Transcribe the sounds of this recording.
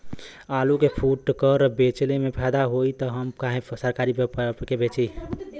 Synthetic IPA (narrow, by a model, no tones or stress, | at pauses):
alukepʰuʈkəɾəbet͡ʃlemepʰɛd̪aɦoit̪əɦəmkaɦẽsəɾkaɾippkebet͡ʃi